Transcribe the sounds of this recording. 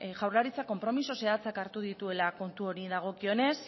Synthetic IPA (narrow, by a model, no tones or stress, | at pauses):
ʝawɾlaɾit͡sako̞mpɾo̞miso̞se̞at͡sakaɾt̪uð̞it̪ue̞lako̞nt̪uo̞ɾiðaɣ̞o̞kio̞ne̞s